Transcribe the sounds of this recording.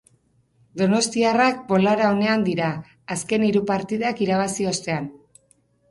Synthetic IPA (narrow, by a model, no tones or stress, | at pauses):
d̪o̞no̞st̪iarak̚bo̞laɾao̞ne̞and̪iɾaː | ske̞niɾupaɾt̪iðakiɾaβ̞asio̞st̪e̞an